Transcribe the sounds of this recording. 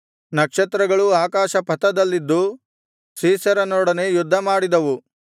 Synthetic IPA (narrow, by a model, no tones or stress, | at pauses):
nɐkʂɐt̪ɾɐɡɐɭuaːkaːʃɐpɐt̪ɐd̪ɐlːid̪ːu | siːsɐɾɐnɔːɽɐne̞jud̪ʱːɐmaːɽid̪ɐʋu